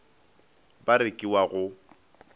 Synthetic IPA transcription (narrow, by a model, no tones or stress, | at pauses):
baɾɪkʼiwaɣʊ